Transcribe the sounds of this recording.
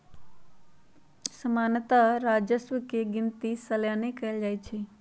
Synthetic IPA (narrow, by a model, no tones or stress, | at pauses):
səmaːnət̪aɾaːd͡ʒəsʋəkeɡɪnt̪isɐljaːnekɐəld͡ʒaːet͡ʃʰe